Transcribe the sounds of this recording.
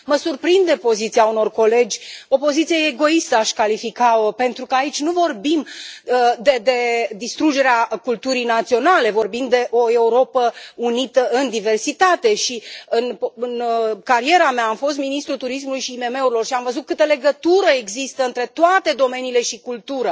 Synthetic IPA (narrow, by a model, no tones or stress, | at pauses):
məsurpɾind̪epo̞zit̪sijauno̞rko̞le̞d͡ʒʲopo̞zit̪sijeeɡo̞ist̪əaʃkalifikaope̞nt̪ɾukəait͡ʃʲnuvo̞rbim | d̪ed̪e̞d̪ist̪ɾud͡ʒe̞ɾeakult̪uɾijnat̪sio̞nale̞vo̞rbind̪d̪e̞ʔo̞e̞uɾo̞pəunit̪əʔɨnd̪ive̞rsit̪at̪e̞ʃiɨnɨnkaɾie̞ɾameaːmfo̞st̪minist̪ɾut̪uɾismulujʃiːme̞me̞uɾilo̞rʃiamvəzut̪̚kɨt̪əle̞ɡət̪uɾəeɡzist̪əɨnt̪ɾe̞t̪oat̪e̞d̪o̞me̞niːle̞ʃikult̪uɾə